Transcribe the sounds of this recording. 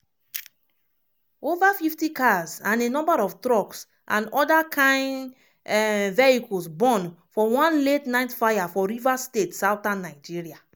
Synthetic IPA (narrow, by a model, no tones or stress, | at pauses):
ovafiftikazãnenɔ̃mbaɹɔftɹɔks | ʔã̰nɔdakʰãɪ̃nd | vɛikɔlsbɔ̃nfɔwɔ̃nletnãɪ̃tfajafɔɹivastetsaʊtãnːaɪd͡ʒiɹia